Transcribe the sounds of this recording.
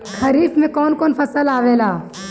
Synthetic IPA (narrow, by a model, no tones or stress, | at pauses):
kʰɐɾiːfmẽkɔːnkɔːnpɐsəlaːʋeːlaː